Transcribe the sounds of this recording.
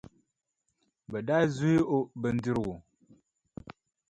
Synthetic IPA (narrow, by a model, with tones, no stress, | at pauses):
bɛ˨da˦zu˦i˦ʔo˦bɛ˨n̩˦dɪ˦ɾɨ˨ɡʊ˨